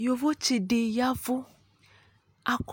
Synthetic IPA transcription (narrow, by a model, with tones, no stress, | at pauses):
jo˨vo˦t͡ʃi˨ɖe˨ja˦vo˦ | a˨k